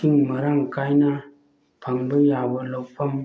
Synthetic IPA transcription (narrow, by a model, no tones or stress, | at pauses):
tiŋməɾaŋkajna | pʰaŋbəjabəlowpʰam